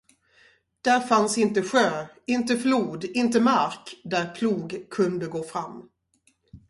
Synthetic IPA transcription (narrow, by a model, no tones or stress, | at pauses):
d̪̥æɾfansɪnt̪əɧøː | ɪnt̪əfluːd̪ɪnt̪̬əmaɾkd̪æɾpʰluːɡkʰɵnd̪əɡoːfɾamː